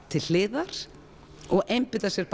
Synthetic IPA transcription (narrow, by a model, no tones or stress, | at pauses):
t̪ʰɪl̥lɪːðaɾ̥ | ɔɣʔejmpɪt̪asjɛɾ̥p